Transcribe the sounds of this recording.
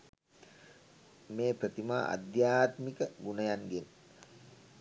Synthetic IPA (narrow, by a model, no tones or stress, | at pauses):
meːpɾət̪ima̰ːʔa̰d̪jaːt̪mikəɡunəjaŋɡen